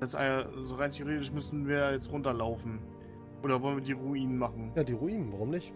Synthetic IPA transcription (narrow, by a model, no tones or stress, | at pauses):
d̥assʔa̰ɪnzoʁaɪntʰeoʁeːtɪʃmʏsn̩viːɐjaːjɛt͡stʁʊntɐlaʊfn̩ | ʔʔoːɾɐvɔlənviːɐdiːʁuiːnənmaχn̩jaːdiːʁuiːnənvaʁʊmnɪçt